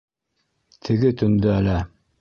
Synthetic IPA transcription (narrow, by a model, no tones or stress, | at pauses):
t̪ʰɘ̆ɡɘt̪ɵ̆nd̪ɵælæ